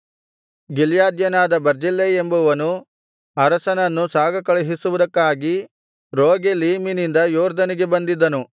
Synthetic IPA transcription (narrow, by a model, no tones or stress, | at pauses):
ɡiljaːd̪jɐnaːd̪ɐbɐɾd͡ʒilːeembuʋɐnu | ɐɾɐsɐnɐnːusaːɡɐkɐɭeɦisuʋud̪ɐkːaːɡi | ɾoːɡeliːminind̪ɐjoːɾd̪ɐniɡe̞bɐnd̪id̪ːɐnu